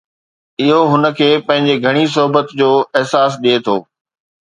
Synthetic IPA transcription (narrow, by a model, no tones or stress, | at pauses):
ɪɦoɦʊnə̆kʰeːpɐ̃ɦɪ̃ɲd͡ʑeɡʱɐɽ̃is̬ʊɦbət̪d͡ʑoːɪɦsaːs̬ɗiet̪ʰo̰ː